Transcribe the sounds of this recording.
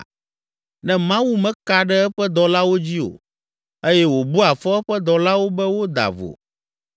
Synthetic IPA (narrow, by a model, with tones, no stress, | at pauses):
nɛ̃˦mã˦wu˦mɛ̃˦ka˨ɖɛ˦ɛ˦ɸɛ˦d̪ɔ˨la˦wo˦d͡ʑi˦o̰˨ | e˦jɛ˦wo˨bu˦a˨fɔ˦ɛ˦ɸɛ˦d̪ɔ˨la˦wo˦bɛ˦wo˦d̪a̰˨vo̰˨